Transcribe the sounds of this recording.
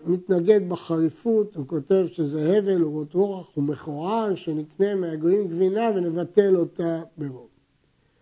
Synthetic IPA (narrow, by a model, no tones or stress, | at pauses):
mit̪naɡe̞d̪̚baχaʁifutuko̞te̞vʃezeheve̞luot̪ʁoaχumeχoʁaʃenikne̞meaɡoimɡvinave̞ne̞vat̪e̞lo̞t̪abeʁo